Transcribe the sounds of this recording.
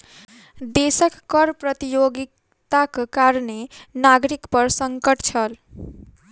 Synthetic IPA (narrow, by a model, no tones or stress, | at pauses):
d̪esəkːʌɾpɾʌt̪ijoɡik | t̪akkaɾnenaɡɾikpʌɾsʌŋkəʈt͡ʃʰʌl